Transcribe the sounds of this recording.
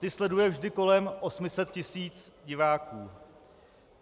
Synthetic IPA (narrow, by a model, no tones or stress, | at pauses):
t̪ɪslɛdujɛvʒdɪko̞lɛmʔo̞smɪsɛt̪̚cɪsiːt͡sɟɪvaːkuː